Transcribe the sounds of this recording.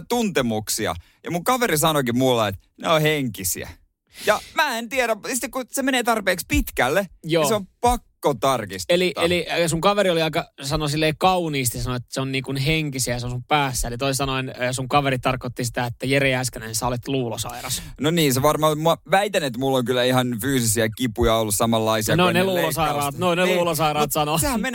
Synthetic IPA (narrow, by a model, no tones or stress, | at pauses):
t̪unt̪emuksiɑ̰ | jɑ̰muŋkɑʋeɾisɑnokimulːɑet̪ | neoheŋkisḭæ̰ | jɑmæːent̪iæɾæssit̪ːekusemeneːt̪ɑrpeːkspit̪kælːejoːseompɑkːot̪ɑrkist̪eliʔ̪ɑ̰elisuŋkɑʋeɾioliɑikɑsɑnosilːeːkɑuniːst̪isɑnoet̪ːæ̥seonniːŋkunheŋkisiæjseonsumpæːsːæelit̪oisesɑnoinːsuŋkɑʋeɾit̪t̪ɑrkot̪ːisi̥t̪æet̪ːæjereæskænensɑolet̪luːlosɑ̰irɑsnoniːnseʋɑrmɑmɑʋæit̪ænet̪mulːoŋkylːæihɑnfyːsisiækipujɑolːussɑmɑlːɑisiɑnoneluːlosɑirɑːt̪noneluːlosɑiɾɑːt̪sɑnosehæmmen